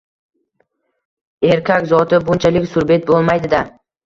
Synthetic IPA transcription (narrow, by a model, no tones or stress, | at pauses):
e̞ɾkʲʰakʲzɒt̪ɪbʊnt͡ʃʰalɪkʲsʊɾbe̞t̪̚bolˠmajd̪ɪd̪a